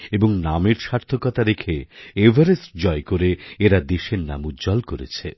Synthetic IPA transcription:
eboŋnameɾʃaɾt̪ʰokɔt̪aɾekʰeebʱaɾesd͡ʑɔekoɾeeɾad̪eʃeɾna̰mud͡ʑɔlkoɾḛt͡ɕʰe

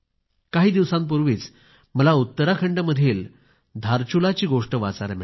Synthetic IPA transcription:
kaɦiːd̪iʋsãmp̬uɾʋiːt͡s | məlaut̪ːəɾakʰəɳɖəməd̪ʱiːl | d̪ʱaɾt͡ɕulat͡ɕiːɡoʂʈəʋa̰t͡saɾme

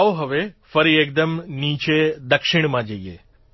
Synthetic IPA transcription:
ʋɦɐʋefɐɾieːk̚d̪ɐmniːt͡ʃed̪ɐkʂɪɳ̃mãd͡ʒaijḛː

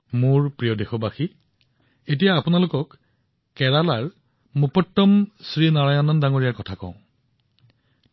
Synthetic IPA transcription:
mʊɹpɹijodexɔbaxi | et̬ijaːpunalʊkɔkː | ɛɹalaɹ | mupɔtːɔmsɹinaɹajɔnɔndaŋoɹijaɹkɔtʰakɔ̰̃ʊ̃

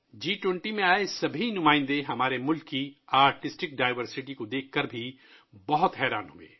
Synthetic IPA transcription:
d͡ʒiːʈwɛ̃ɳʈimẽaːesɐbʱinʊmãːɪ̃nd̪eɦɐmaːɾemʊlkːiaːɾʈɪsʈɪk̚ɖaːɪʋəɾsɪʈikod̪eːkʰkəɾbʱi | bɐɦʊt̪ɦɛːɾaːnɦʊḛ̃ː

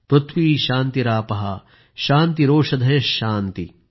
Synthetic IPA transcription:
pɾut̪ʰʋiːʃaːnt̪iɾaːpɐɦɐ̰ | ʃaːnt̪iɾoːʂɐd̪ʱɐjɐʃaːnt̪i

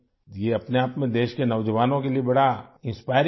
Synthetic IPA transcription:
jeɐpneaːpmẽd̪eːʃkenɐʋd͡ʒəʋaːnõkeliebɐɽaɪ̃nspaːɪɾ̃

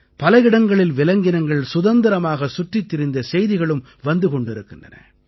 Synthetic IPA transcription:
pɐlɐɪɽɐŋɡɐɭɪlʋɪlɐŋɡɪnɐŋɡɐɭsʊðɐnd̪ɪɾɐmaːɣɐsʊʈrɪt̪ːɪɾɪnd̪ɐsɛjðɪɣɐɭɯm | ʋɐnd̪ɯkɔɳɖɪɾɯkːɪndrɐ̰nɐ̰

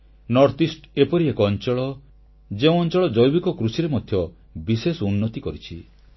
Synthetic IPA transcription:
nɔɾt̪isʈepɔɾiekɔːnt͡ʃɔɭɔ | d͡ʒeũɔnt͡ʃɔɭɔd͡ʒɔjbikɔkɾusiɾemɔd̪ʱjɔ | bisesunːɔt̪ikɔɾit͡ʃʰi

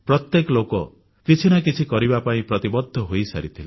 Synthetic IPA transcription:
pɾɔt̪jekɔlokɔ | kit͡ʃʰinakit͡ʃʰikɔɾibapaĩpɾɔt̪ibɔd̪ʱːɔɦojsa̰ɾit̪ʰile

